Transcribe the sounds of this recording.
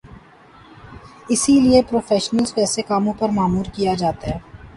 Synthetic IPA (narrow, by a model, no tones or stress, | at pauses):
ɪsiliepɾoːfɛːʃnəlzpɛːsekaːmõpɐɾmaːmuːɾkijad͡ʒaːt̪aɦɛː